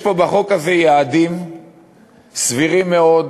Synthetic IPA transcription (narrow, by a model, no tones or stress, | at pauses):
po̞baχo̞kazejaːd̪im | sviʁimːeo̞d